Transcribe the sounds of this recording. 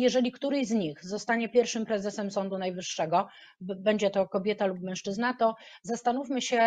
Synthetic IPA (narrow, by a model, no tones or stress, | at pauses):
jɛʐɛlʲikt̪uɾɛjzɲixzɔst̪aɲɛpʲjɛɾfʂɘmpɾɛzɛsɛmsɔnd̪unajvɘʂːɛɡɔ | bɛɲd͡ʑɛt̪ɔkɔbʲjɛt̪alupmɛ̃w̃ʂt͡ʂɘznat̪ɔ | zast̪anufʲmɘɕɛ